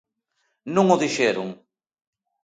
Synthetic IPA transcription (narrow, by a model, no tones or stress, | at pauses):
nũŋoðiʃeɾʊŋ